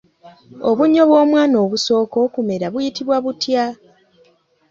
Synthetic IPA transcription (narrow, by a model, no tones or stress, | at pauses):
o̞βuɲːo̞βwo̞ːmwaːno̞ːβuso̞ːko̞kume̞ɾaβujitiβwaβutja